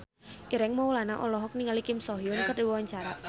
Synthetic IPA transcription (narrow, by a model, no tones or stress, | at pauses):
eɾɛŋmawlanaʔɔlɔɦɔk̚niŋalikɪmsɔɦjʊnkərdiwɔwaɲt͡ʃaɾat̪